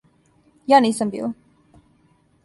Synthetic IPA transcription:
jaːniːsambḭːl

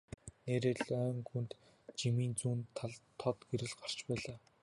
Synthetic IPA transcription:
neːɾeːɮœːŋxunt̪ | t͡ɕimiːnt͡suːnt̪ʰɮt̪ʰːɔt̪ɡeɾɘ̆ɮɢar̥t͡ɕpæːɮaː

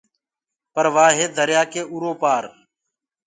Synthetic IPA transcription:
pəɾʋaːɦeːd̪ʱəɾjaːkeːʔuɾoːpaːɾ

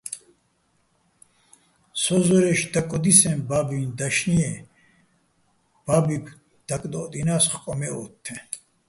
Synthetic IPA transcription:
sɔzɔɾɛʃd̪akʼɔd̪isɛ̃mbabind̪aʃniɛ | b̥abipʰ | d̪̥akʼd̪ɔd̪inasχkʼɔmɛɔ̰t̪ʰːɛ

